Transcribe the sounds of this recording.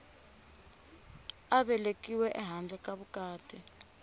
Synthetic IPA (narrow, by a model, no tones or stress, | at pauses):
aɓɛlekʼiwɛʔɛɦand͡ɮʱɛkʼaɓukʼaːtʰʼi